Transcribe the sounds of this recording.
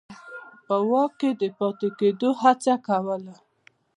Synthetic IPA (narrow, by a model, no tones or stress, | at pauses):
pəwɑkːed̪əpɑt̪eked̪oɦat͡sakawəla